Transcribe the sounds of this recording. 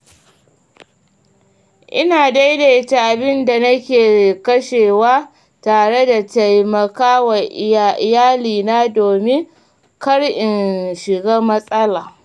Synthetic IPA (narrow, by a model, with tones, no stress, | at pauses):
ʔɪ̰˦naː˨da˦jde˨ta˨ʔa˨bɪ˦nda˨nɐ˦kʲeː˨kɐ˦ʃeː˨waː˦ | taː˨ɽe˦da˨ta˨jmɐ˨kaː˦wɐ˨ʔɪ˨˦˨ʔɪ˨jaː˦liː˨naː˦doː˨mɪ˦ŋ | kɐ˦ɽʔɪ˨nʃɪ˨ɡaː˦mɐ˦sʼɐ˦laː˨